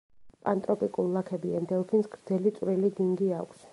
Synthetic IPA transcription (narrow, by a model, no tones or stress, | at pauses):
pʼant̪ʼɾɔpʼikʼullakʰɛbiand̪ɛlˠpʰinsɡɾd̪zɛlit̪sʼwɾilid̪iŋɡia̰kʷʰs